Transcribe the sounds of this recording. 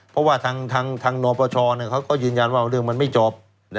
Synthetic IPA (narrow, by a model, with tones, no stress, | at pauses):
pʰɔ˦˥waː˥˩t̪ʰaː˧ŋt̪ʰaː˧ŋt̪ʰaː˧ŋnɔː˧pʰɔː˧t͡ɕʰɔː˧ni˧˩kʰa˦˥wkɔː˥˩jɯː˧nja˧nwaː˥˩ɾɯ˥˩əŋma˧nma˥˩jt͡ɕo˦˥p̚ | n˦